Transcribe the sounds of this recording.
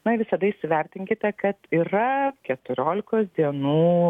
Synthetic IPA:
nɐɪʋʲɪsɐd̪ɐɪʃsʲɪʋʲɛɾʲt̪ʲɪŋʲkʲɪt̪ʲɛkɐt̪iːɾɐkʲɛt̪ʊɾʲoːlʲɪkoːsd̪ʲiɛnuː

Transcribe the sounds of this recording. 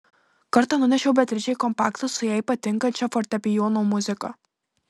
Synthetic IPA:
kɐɾt̪ɐnʊnʲɛʃʲɛʊbʲɛt̪ʲɾʲɪt͡ʃʲɛɪkɔmpɑːkt̪ʊsʊjɛɪpɐt̪ʲɪŋkɐnʲt͡ʃʲɛfɔɾʲt̪ʲɛpʲɪjɔnomʊzʲɪkɐ

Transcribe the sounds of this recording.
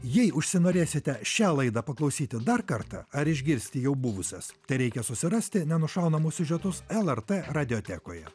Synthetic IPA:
jɛɪʔʊʃʲsʲɪnoːɾʲeːsʲɪt̪ʲɛʃʲæːlˠɐɪd̪ɐpɐklˠɒʊsʲiːt̪ʲɪd̪ɐɾkɐɾt̪ɐ̰ɐɾɪʒʲɡʲɪɾʲsʲt̪ʲɪjɛʊbʊʋʊsʲɛst̪ɐɪɾʲɛɪkʲɛsʊsʲɪɾɐsʲt̪ʲɪnʲɛnʊʃɐˑʊnɐmʊsʲʊʒʲɛt̪ʊsɛlˠɛɾt̪ɛɾɐd̪ʲɪoːt̪ʲæːko̰ːjɛ̰

